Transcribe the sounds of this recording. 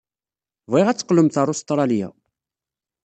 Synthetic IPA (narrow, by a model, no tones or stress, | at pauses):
veʁæt͡sːə̥qləmθɑɾˤʊst̪ˤɾˤɑljæ̰